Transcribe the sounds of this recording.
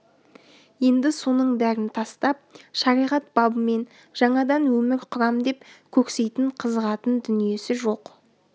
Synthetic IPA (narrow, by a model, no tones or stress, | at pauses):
je̞nd̪ɪso̞nəɴbæɾɪnt̪ʰɑst̪ɑp̚ʃɑɾijʁɑt̪̚b̥ɑbəme̞n | ʒɑɴɑd̪ɑnwɵmɪɾqʰʊɾɑmd̪e̞pkʲʰɵkse̞jt̪ɪɴqʰəzəʁɑt̪ənd̪ʏnije̞sɪʒo̞q